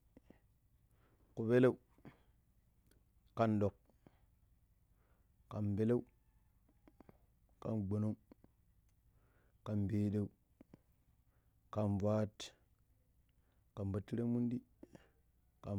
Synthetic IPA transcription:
ku˨be˦le˦u˦ | kːa˨nɗo˨k | a˨nbe˦le˦u˦ | ka̰˨nɡ͡bo˨no˦ŋ | ka˨nbe˨de˦˨u˦ | ka˨nva˦t | ka˨nba˨tːi˦ɾe˦mu˦ndi˦ | ka˨

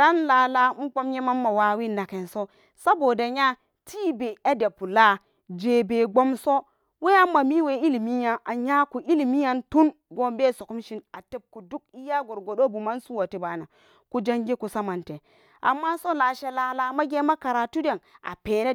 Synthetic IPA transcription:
a˦nla˨la˦m̩˦k͡po˦mɲe˦ma˦mːa˨wa˦wi˦˨nːa˨ke˨nso˦ | sa˦bo˨da˨ɲa˦ | tʰi˦be˨a˦de˨pu˨la˦ | d͡ʒe˨be˨ɡ͡bo˦mso˦ | we˦a˦mːa˨mi˦we˨i˦li˨mi˦ɲa˦ʔa˨ɲa˦ku˨ʔi˦li˨mi˦ja˦ntu˦n | ɡo˦mbe˦˨so˨ku˦mʃi˦na˨te˦b̚ku˨du˦k̚i˦ja˦ɡo˨ɾɡo˨ɗo˦bu˨ma˦nsu˦wa˨ti˨ba˨na˨ | ku˦d͡ʒa˦ŋɡe˦ku˨sa˦ma˨nte˨ | a̰˨mːa˦so˦la˨ʃe˦la˨la˦ma˦ɡe˦ma˦ka˨ɾa˨tu˦de˨na̰˨pe˨ne˦

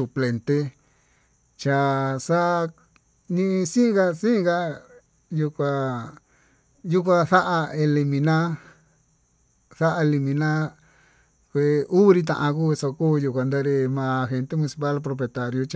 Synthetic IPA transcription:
su˧ple˧nt̪e˦ | t͡ʃa˧sa˦ʔ | nĩ˧sĩ˦ɡa˧sĩ˦˧ɡa˦ | ju˧kʷa˧ | ju˦k̬ʷã˧θa˦ʔa˧e˧li˧mĩ˧nã˦ | θa˦ʔa˧e˧li˧mĩ˧nã˦ | kʷe˧u˦˧ɾi˧t̪̬ã̰˧ʔã˧ku˦˧so˧kuː˦˧ju˧kʷa˧nd̪a˧ɾe˧mã˧xe˧nt̪e˦mũ˧ni˧si˧pa˦lpɾo˧p̬e˧t̪a˧ɾjo˧t͡ʃ

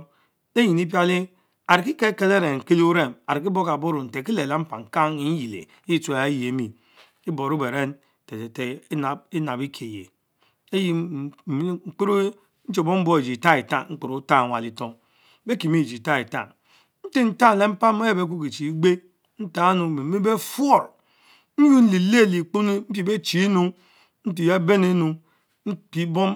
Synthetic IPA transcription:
e˦ji˨ni˦p̬ja˦li˦ | a˨ɾi˨ki˦ke˦ke˦le˦ɾe˨ŋ̩˨ke˦li˦u˦ɾe˦˨ma˨ɾi˨ki˦bo˦ka˨bo˦ɾu˨n̩˨te˨ki˦le˨la˦m̩˦pa˨ŋ̩˨ka˦ŋi˨˦n̩˦ji˨lḛ˨˦ji˦ta˨˦je˨˦mi˨ | i˦bo˨ɾu˦be˨ɾe˦n | te˨te˨te˨˦˨i˦na˨bi˦kʰe˨jḛ˨ | e˦ji˦˨˦ | ŋ͡m̩˨˦k͡pe˦ɾu˦ | n̩˦t͡ʃe˨bo˦m̩˦bo˦e˨d͡ʒi˨ta˦i˨ta˦˨ŋŋ͡m̩˦k͡pu˨ɾu˦ta˦˨ŋʷa˨li˦to˦ŋ˦ | be˦ki˨mi˦˨d͡ʒi˨ta˦i˨ta̰˨ŋ | n̩˦te˦n̩˨ta˦˨e˦m̩˦pa˦mo˦je˦be˦k̬u˦ki˨t͡ʃi˨i˦ɡ͡be˦ | n̩˦ta˦nu˨me˨m˨˦i˦be˦fo˦˨ɾ | n̩˦ju˦n̩˦li˨le˦˨li˨k͡pu˦ni˦m̩˦pi˦˨be˦t͡ʃi˨˦nu˦ | n̩˦t̬i˨ja˦be˦ne˦nu˨ | n̩˦i˦bo˦m

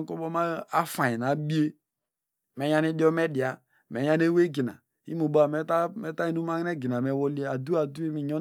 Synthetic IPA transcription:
ko˦bɔ˦ma˦a˦fa˨i˨na˨˦bi˦e˦ | mɛ˨˦ja˦ni˦di˦ɔ˦mɛ˦di˨a˨ | mɛ˨˦ja˦ne˦we˦ɡi˨na̰˨ | ḭ˦mu˨ba˨mɛ˦ta˦mɛ˦ta˦i˦nu˦ma˦nɛ˦ɡi˨n˨a˨mɛ˨wo˦li˦˨a˨du˦a˨du˦i˦mi˨ɲɔ˦

